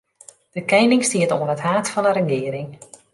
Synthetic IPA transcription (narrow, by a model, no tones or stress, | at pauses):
d̥əkɛjnɪŋstiətoːənəthaːtfɑnəɾəɡɪːəɾɪŋ